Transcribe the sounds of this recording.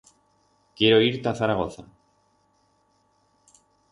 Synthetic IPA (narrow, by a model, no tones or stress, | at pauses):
kjeɾo̞iɾt̪aθaɾaɣo̞θa